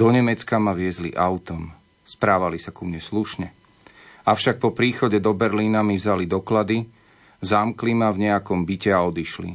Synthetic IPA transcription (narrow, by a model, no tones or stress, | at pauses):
d̪ɔɲɛmɛt͡skamaʋɪɛzlḭʔaʊt̪ɔm | spɾaːʋalisakumɲɛsluʃɲɛ | aʊʃak̚pɔpɾiːxɔɟɛd̪ɔbɛɾliːnamivzalid̪ɔklad̪i | zamklimavɲɛakɔmbicɛaɔd̪iʃlḭ